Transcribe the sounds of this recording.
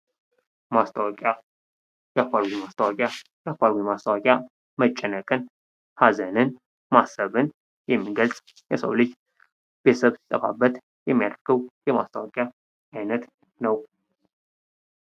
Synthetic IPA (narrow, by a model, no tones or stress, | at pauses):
mast̪ʰəwakʼa | jakʷaɾwimast̪ʰəwakʼjajakʷaɾwimast̪əwakʼja | mət͡ʃʼːɛnːəkʼɨn | hazənɨn | masəβɨn | jɛmːiɡəlsʼ | jɛsə̰wlet͡ʃː | b̥esəβsi̥t̪ʼəfa̰bːət̪ | jɛmːija̰d̪ɾɡʰɨwjɛma̰st̪ʰəwakʼja | ajnət̪ | nəw